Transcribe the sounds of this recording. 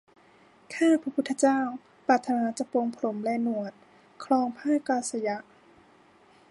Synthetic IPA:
kʰaː˥˩pʰɾa˧pʰu˦t̪ʰːa˧t͡ɕaː˥˩w | pɾaː˨˩t̪ʰːa˧naː˧˦t͡ɕa˧˩po˧ŋpʰa˧lo˩˦mlɛː˧nu˧˩ət̪̚ | kʰlɔː˧ŋpʰaː˥˩kaː˧sa˧ja˦˥ʔ

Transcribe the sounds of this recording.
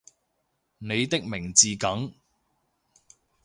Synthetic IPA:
ne˨˧jt̪ɪ˥k̚mɪ˨˩ŋt͡siː˨kɐ˨˥ŋ

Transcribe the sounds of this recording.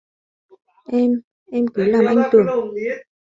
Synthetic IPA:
ʔɛ˧m | ʔɛ˧mkɨː˨˩˦laː˨˩mʔa˧ŋt̪u˨˩

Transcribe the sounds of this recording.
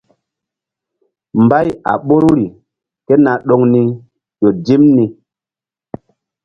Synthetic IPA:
mba˦ja̰˨ɓo˦ɾɾi˨ | ke˦na˨ɗo˨ŋni˦ | jo˨di˦mni˨

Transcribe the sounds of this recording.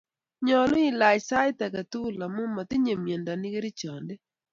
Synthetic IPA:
ɲɔ˨lʊ˦i˦˨la˨jsa˦ɪ˦t̪a˨ka˨t̪u˦la˨mʊ˦ma˨t̪ɪ˦ɲe˨mje˨nda˨nɪ˦ɡe˦ɾi˦t͡ʃɔ˨nde˦

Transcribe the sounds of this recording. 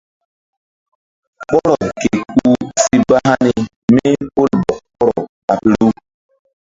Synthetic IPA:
k͡pɔ˦ɾɔ˨ke˨ku˦si˦ba˦ɦa˦ni˦ | me˦po˦lbɔ˨k͡pɔ˦ɾɔ˨ | a˨pi˨ɾu˦

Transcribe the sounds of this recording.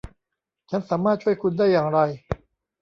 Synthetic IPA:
t͡ɕʰa˦˥nsaː˩˦maː˥˩t̪̚t͡ɕʰu˥˩əjkʰu˧ndaː˥˩jːaː˨˩ŋɾa˧j

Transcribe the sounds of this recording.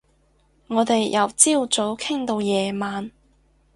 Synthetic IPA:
ŋɔː˨˧t̪e˨jːɐ˨wt͡siː˥wt͡so˨˥wkʰɪ˥ŋt̪o˧wjɛː˨maː˨n

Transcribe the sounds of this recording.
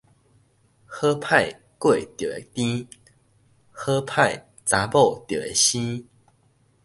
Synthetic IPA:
xɤ˦pʰa˥˨ɪ | kwe˥˨ɪt̪jo˨˩e˨˩t̪ĩ˦ | xɤ˦pʰa˥˨ɪ | t͡sa˨˦po˥˨ʊt̪jo˨˩ḛ˨˩ɕĩ˦

